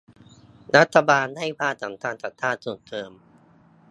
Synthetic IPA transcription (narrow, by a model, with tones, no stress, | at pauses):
ɾa˦˥t̪ʰːa˧baː˧nha˥˩jpʰaː˥˩t̪sa˩˦mt̪ʰaː˧nsa˨˩t̪ʰːaː˥˩t̪̚su˨˩nt̪ʰɤː˧m